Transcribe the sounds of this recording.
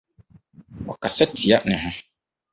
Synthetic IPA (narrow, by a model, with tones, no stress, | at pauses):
ɔ˨ka˨sɛ˦tʰi˨a˦nɪ̃˨ɦʊ̃˦